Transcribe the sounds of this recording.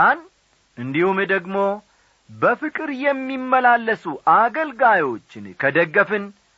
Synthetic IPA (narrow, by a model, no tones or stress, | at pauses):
an | ʔɨnd̪ihumd̪əɡmo̞ | bəfɨkʼɨɾjɛmːimːəlalːəsuʔaɡəlɡajo̞t͡ʃːɪnkʰəd̪əɡːəfɨn